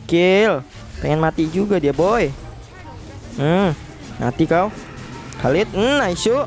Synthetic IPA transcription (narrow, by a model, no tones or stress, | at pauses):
kɪl | pɛŋɛnmat̪id͡ʒuɡadiaboɛ | m̩ | ma̰t̪ikau | halɪt̪̚n̩naisu